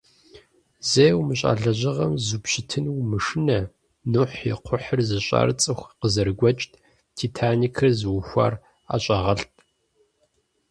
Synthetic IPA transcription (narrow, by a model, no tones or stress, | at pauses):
zejwmɨɕʼa̰ːɮɐʑɐʁɐmzupɕɪtʰɨnwmɨʂɨnɐ | nʊħjɪqʷʰʊħərzɨɕʼa̰ːrt͡sʼɨxʷqəzɐɾɡʷɔt͡ʃʼtʼ | tʰiːtʰaːniːkʰɨrzɨwʊxʷa̰r | a̰ːɕʼaʁɐɬt̚ʰʼ